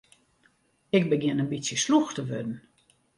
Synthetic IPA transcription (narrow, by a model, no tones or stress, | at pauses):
ɪk̚bəɡjɪnənbitsjəsluxtəʋødn̩